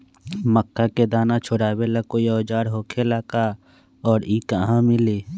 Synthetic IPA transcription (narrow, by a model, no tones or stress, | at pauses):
məkːaked̪aːnat͡ʃʰʊɽaːweləkojɔːd͡ʒaːɾɦoːkʰelaka | ɔːɾiːkəɦãmɪleː